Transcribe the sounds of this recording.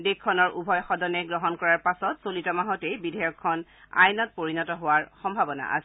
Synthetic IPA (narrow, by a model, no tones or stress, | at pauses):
dekʰːɔnɔɹubʱɔjxɔdɔnɛɡɹɔɦɔnkɔɹaɹpasɔtsolitɔmaɦɔtejbidʱɛjɔkʰːɔn | a̰jnɔt̚poɹinɔtɔɦowaɹxɔmbʱabɔna̰ʔa̰sɛ